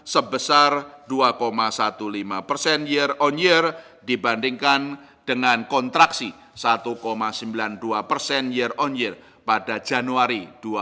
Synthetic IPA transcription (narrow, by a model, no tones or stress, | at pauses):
səbəsarduakomasat̪ulimapərsɛnjərɔnjər | dibandiŋkan | d̥əŋankɔnt̪ɾaksi | sat̪ukomasəmbilanduapərsɛnjərɔnjər | padad͡ʒanuaɾid̥ua